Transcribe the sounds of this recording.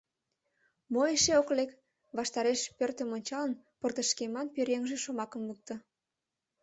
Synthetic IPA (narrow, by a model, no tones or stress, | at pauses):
moeʃeoklek | βɑʃt̪ɑɾeʃpørt̪əmonʲt͡ɕɑlən | pə̆rt̪əʃkemɑnpøɾeŋʒeʃomɑkəmluk̚t̪ə̆